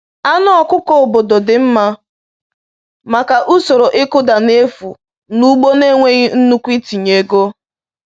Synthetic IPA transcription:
a˦nʊ˦ɔ˨kʷʊ˦kɔ˦o˨bo˨do˨dɪ˨m̩˦ma˦ | ma˨ka˨ʔu˦so˨ɾo˨ʔɪ˦kʊ˦da˨ne˦fṵ˨ | nu˦ɡ͡bo˦ne˦ŋʷe˦ɣi˦n̩˦nu˦kʷi˦ti˨ɲe˨ɡo˦

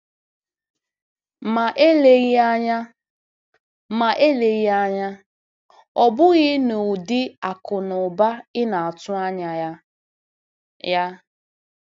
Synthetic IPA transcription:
ma˨ʔe˦le˨ɣa˦ɲa˦ | ma˨ʔe˦le˨ɣi˦a˦ɲa˦ | ɔ˨bʊ˦ɣɪ˦no˨dɪ˦a˨kʊ˨nʊ˨ba˦ɪ˦na˨a˨tʊ˦a˦ɲa˨˦ | a˦

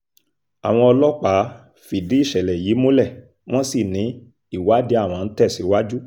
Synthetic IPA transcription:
a̰˨w̃ɔ̃˧ɔ˧lɔ˦k͡pa˨˦ | fi˨di˨˦i˦˨ʃɛ˨lɛ˨ji˨˦mõ˦lɛ˦˨ | w̃ɔ̃˦si˦˨nĩ˨˦ | i˦˨wa˨˦di˧˦a˦˨w̃ɔ̃˧n̩˦tɛ˦˨si˨˦wa˦d͡ʒu˦

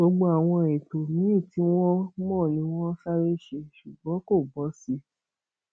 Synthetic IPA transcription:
ɡ͡bo˧ɡ͡bo˦a˦˨w̃ɔ̃˧i˨to˨mĩ˨˦ĩ˦˨ti˨˦w̃ɔ̃˦mɔ̃ː˦˨nĩ˨˧˦w̃ɔ̃˦ʃa˦ɾe˦˨ʃe˧˨ʃu˨ɡ͡bɔ̃˨˦ko˦˨bɔ˨˦si˧

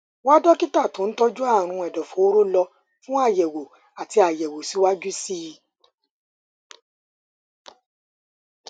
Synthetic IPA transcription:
wa˦dɔ˦ki˦ta˦˨tõ˨˦n̩˦tɔ˦d͡ʒu˦a˦˨ɾ̃ũ˧ɛ˨dɔ˨fo˨o˦ɾo˦lɔ˧ | fũ˦a˦˨jɛ˨wo˨ | a˨ti˧a˨jɛ˨wo˨si˨˦wa˦d͡ʒu˦si˦

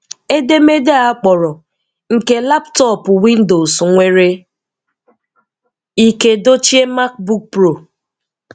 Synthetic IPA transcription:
e˦de˦me˦de˦a˦k͡pɔ˨ɾɔ˨ | ŋ̩˨ke˦la˦ptɔ˦˨pʊ˨wi˦n̩˦do˨sŋʷe˦ɾe˦ | i˦ke˨do˦t͡ʃi˦e˦ma˦k̚bu˦k̚pɾo˦˨

